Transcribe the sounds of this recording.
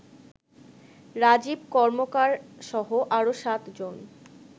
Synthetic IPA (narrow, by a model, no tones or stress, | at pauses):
ɾad͡ʑib̚kɔɾmokaɾʃɔɦoʔaɾoʃat̪d͡ʑon